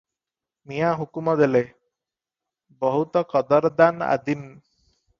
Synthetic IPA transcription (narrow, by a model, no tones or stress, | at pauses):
nijaɦukumɔd̪ele | bɔɦut̪ɔkɔd̪ɔɾd̪ana̰d̪in